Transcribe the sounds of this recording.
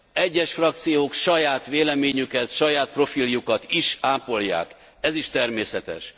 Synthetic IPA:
ɛɟːɛʃfrɒk̚t̪sijoːkʃɒjaːt̪ʋeːlɛmeːɲykɛt̪ʃɒjaːt̪̚pro̞filjukɒt̪iʃaːpo̞lja̰ːk | ɛziʃt̪ɛrmeːsɛt̪ɛ̰ʃ

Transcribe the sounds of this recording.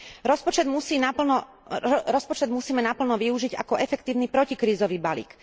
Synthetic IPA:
ɾɔspɔt͡ʃɛd̪musiːnaplnɔ | ɾɔspɔt͡ʃɛd̪musiːmɛnapl̩nɔʋiuʒiɟa̰kɔʔɛfɛkt̪iːʊnipɾɔcikɾiːzɔʋiːbalḭːk

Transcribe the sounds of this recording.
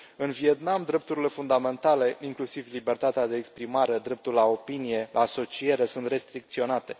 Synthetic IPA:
ɨnvie̞t̪namd̪ɾe̞p̚t̪uɾile̞fund̪ame̞nt̪ale̞iŋklusivlibe̞rt̪at̪ead̪eːkspɾimaɾe̞d̪ɾe̞p̚t̪ulao̞pinije̞aːso̞t͡ʃije̞ɾe̞sunt̪re̞st̪ɾikt̪sio̞nat̪e̞

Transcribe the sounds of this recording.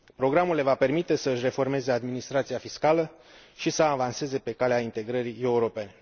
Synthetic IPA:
pɾo̞ɡɾamule̞vape̞rmit̪e̞səɨʃre̞fo̞rme̞ze̞ad̪minist̪ɾat̪sijafiskalə | ʃisəavanse̞ze̞pe̞kaleaint̪e̞ɡɾəɾie̞uɾo̞pe̞ne̞

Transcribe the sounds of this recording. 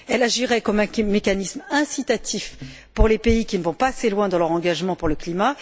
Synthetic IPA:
ɛlaʒiʁɛkɔmɛ̃mːekanismɛ̃sit̪at̪ʰif | puʁlepeikʲinəvɔ̃paːselwɛ̃d̪ɑ̃lœʁɑ̃ɡaʒmɑ̃puʁləklima

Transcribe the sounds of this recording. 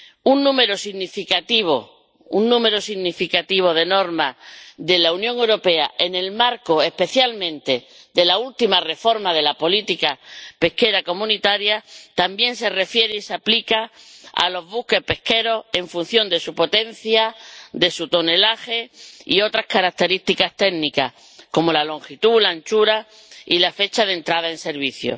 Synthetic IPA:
unːũme̞ɾosiɣnifikat̪iβ̞o̰ | unːũme̞ɾosiɣnifikat̪iβ̞o̞ð̞e̞no̞ɾmaðe̞launjõŋewɾo̞pe̞a̰ʔene̞lmaɾko̞e̞hpe̞θjalmẽ̞nt̪e̞ | ðe̞lault̪imare̞fo̞ɾmaðe̞lapo̞lit̪ikape̞hke̞ɾako̞mũnit̪aɾjat̪ambjẽ̞ns̬e̞re̞fje̞ɾeiseaplikaa̰lo̞zβuhke̞hpe̞hke̞ɾo̞e̞ɱfun̟θjõ̞nd̪e̞supo̞t̪e̞n̟θjad̪e̞sut̪o̞ne̞laxe̞io̞t̪ɾahkaɾak̚t̪e̞ɾist̪ikast̪e̞ɡnika̰h | ko̞mo̞lalo̞ŋxit̪ulant͡ʃuɾa | ilafe̞t͡ʃaðe̞nt̪ɾað̞ae̞nse̞ɾβiθjo̰

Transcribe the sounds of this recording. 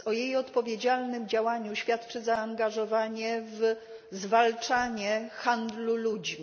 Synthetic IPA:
ɔjejɔt̪pɔvʲjed͡ʑalnɘmd͡ʑawaɲuɕfʲjat̪t͡ʂɘzaːŋɡaʐɔvaɲɛv | zvalt͡ʂaɲɛxand̪lulud͡ʑmʲ

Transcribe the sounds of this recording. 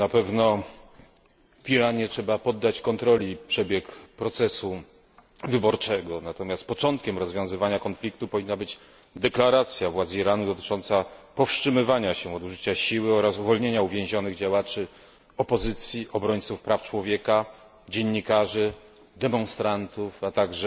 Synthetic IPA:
napɛvnɔ | viɾaɲɛtʂɛbapɔd̪ːat͡ɕkɔnt̪ɾɔlʲipʂɛbʲjɛkpɾɔt̪sɛsu | vɘbɔɾt͡ʂɛɡɔnat̪ɔmʲjast̪̚pɔt͡ʂɔnt̪̚kʲɛmɾɔzvʲjɔ̃w̃zɘvaɲakɔnflʲik̚t̪upɔvʲinːabɘd͡ʑ | d̪ɛklaɾat̪sʲjavwad̪ziɾanud̪ɔt̪ɘ̥t͡ʂɔnt̪sapɔfʂt͡ʂɘmɘvaɲaɕɛɔd̪uʐɘt͡ɕaɕiwɘɔɾasuvɔlɲeɲauvʲjẽʑɔnɘɣd͡ʑawat͡ʂɘ | ɔpɔzɘt̪sʲjiʔɔbɾɔɲt̪sufpɾaft͡ʂwɔvʲjɛka | d͡ʑeɲːikaʐɘ | d̪ɛmɔnst̪ɾant̪ufat̪aɡʐɛ

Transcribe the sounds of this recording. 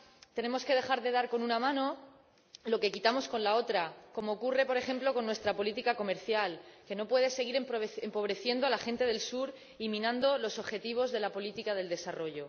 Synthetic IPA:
t̪e̞ne̞mo̞ske̞ð̞e̞xaɾðe̞ðaɾko̞nunamãno̞ | lo̞ke̞kit̪amo̞sko̞nlao̞t̪ɾako̞mo̞ːkure̞po̞ɾe̞xe̞mplo̞ko̞nːwe̞st̪ɾapo̞lit̪ikako̞me̞ɾθjalke̞no̞pwe̞ðe̞se̞ɣ̞iɾempempo̞β̞ɾe̞θje̞nd̪o̞alaxe̞nt̪e̞ðe̞lsuɾ | imĩnãnd̪o̞lo̞so̞βxe̞t̪iβ̞o̞zðe̞lapo̞lit̪ikað̞e̞ld̪e̞saro̞ʝo̞

